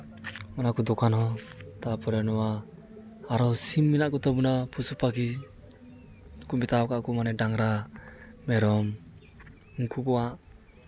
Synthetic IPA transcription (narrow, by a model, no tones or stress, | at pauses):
manakud̪ɔkanɦɔt̪apɔɾɛnɔwaː | ɾɔwsimːinaʔkut̪ɔbunapusupak̬i | kumit̪awkaʔkumanɛdaŋɾaː | ɛɾɔm | ŋkukuaʔ